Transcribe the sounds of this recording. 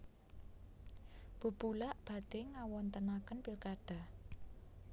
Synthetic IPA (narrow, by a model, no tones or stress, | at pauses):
b̥ṳb̥ulaʔb̥ä̤d̪̥eŋawɔnt̪ənakənpilkaɖ̥a̤h